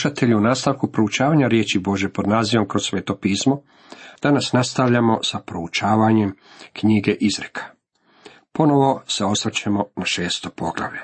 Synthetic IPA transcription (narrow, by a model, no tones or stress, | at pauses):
ʃat̪e̞ʎuunaːst̪aʋkupɾo̞ut͡ʃaːʋaːɲaɾje̞ːt͡ʃibo̞ʒjepo̞d̪naːziʋo̞mkɾo̞ssːʋe̞ːt̪o̞piːsmo̞ | d̪̥anasnast̪aʋʎamo̞sapɾo̞ut͡ʃaːʋaɲe̞m | kɲiɡe̞ʔizɾekʰḁ | po̞no̞ʋo̞se̞o̞sɾat͡ɕemo̞naʃeːst̪o̞po̞ɡlˠa̰ʋʎe